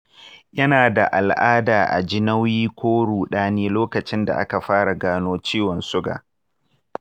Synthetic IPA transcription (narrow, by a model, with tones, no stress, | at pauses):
jɐ˦naː˨da˨ʔa˨lʔaː˦daː˨ʔa̰˨d͡ʒɪ˦nɐ˦wjiː˦kʷoː˦ɽuː˨ɗaː˦neː˦loː˦kɐ˨t͡ʃɪ˦nda̰˨ʔa̰˦ka˨ɸaː˦ɽa˨ɡaː˦noː˦t͡ʃiː˦wɔ˨nsʊ˦ɡa̰ː˨